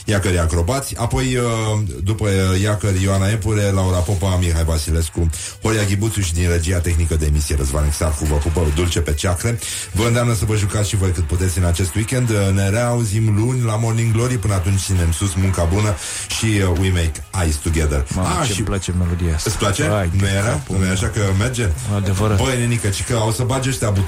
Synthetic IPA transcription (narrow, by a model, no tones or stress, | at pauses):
jakəɾiakɾo̞bat̪sʲapo̞jəd̪upəjakəɾʲoanae̞puɾe̞laoɾapo̞pamixajvasile̞sku | ho̞ɾiaɡʲibut̪suʃid̪inred͡ʒiat̪e̞xnikəd̪eːmisijeɾəzvaniksarkuvəkupəd̪ult͡ʃe̞pe̞t͡ʃakɾe̞ | vəɨnd̪eamnəsəvəʒukat̪ʃivojkɨnt̪put̪e̞t̪sʲɨnat͡ʃe̞st̪wikʲe̞nd̪ne̞ɾe̞auzimlunʲlamo̞rniŋɡlo̞ɾipɨnəat̪unt͡ʃʲsinemsusmuŋkabunə | ʃiwimejk | ajst̪uɡed̪əraipat͡ʃemelod̪ijaɨt̪splat͡ʃenujeɾanujaʃakəme̞rd͡ʒe̞ad̪evəɾabəjnenikət͡ʃi̥kəawsəbad͡ʒeʃt̪abu